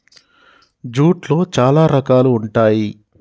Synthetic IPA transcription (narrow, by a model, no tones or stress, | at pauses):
d͡ʒuːʈlo̞ːt͡ʃaːlaːɾɐkaːluːɳʈaːji